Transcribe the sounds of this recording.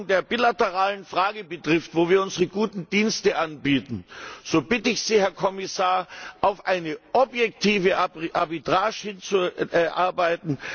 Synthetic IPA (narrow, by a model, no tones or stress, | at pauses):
ŋdeːɐbiːlatəʁaːlənfʁ̥aːɡəbətʁ̥ɪftvoːviːɐʊnzəʁəɡuːtn̩d̥iːnstəʔanbiːtn̩z̥oːbɪtəɪçz̥iːhɛɐkʰɔmɪsaːɐʔaʊfʔaɪnəʔɔbjɛktʰiːvəʔabitʁ̥aːʃhɪnt͡suʔɛɐʔa̰ɐbaɪtn̩